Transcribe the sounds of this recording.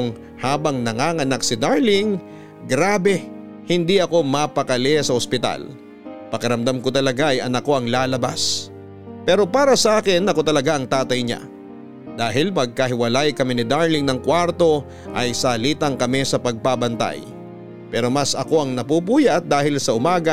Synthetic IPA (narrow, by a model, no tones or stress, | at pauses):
ŋ | haːbɐŋnɐŋaːŋɐnak̚sɪd̪aɾlɪŋ | ɡɾaːbɛ | hɪnd̪iɐko̞mɐpɐkɐlɛsɐhospɪt̪a̰l | pɐkɐɾɐmd̪amkot̪ɐlɐɡaɐjʔɐnɐko̞ɐŋlaːlɐbas | pɛːɾo̞paːɾɐsɐʔaːkɪnːɐkot̪ɐlɐɡaʔɐŋt̪aːt̪ɐjɲa̰ | d̪aːɦɪlmɐɡ̚kɐɦɪwɐlajkɐminɪd̪aɹlɪŋnɐŋkwaɾt̪o̞ | ʔɐjsɐliːt̪ɐŋkɐmisɐpɐɡ̚pabɐnt̪a̰j | pɛːɾo̞mɐsɐko̞ɐŋnɐpup̬uːjɐt̪̚d̪aːhɪlsɐʔʊmaːɡɐ